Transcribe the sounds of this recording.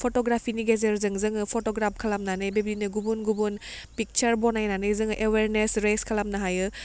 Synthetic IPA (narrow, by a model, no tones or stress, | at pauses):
pʰotoɡɾapʰiniɡezeɾzɯŋzɯŋɯpʰotoɡɾap̚ʰkʰɐlamnanɯjbebinɯɡubunɡubun | pik̚t͡ʃɐɾbɔnajnanɯjzɯŋʔeweɾnesɾeskʰɐlamnaɦajɯ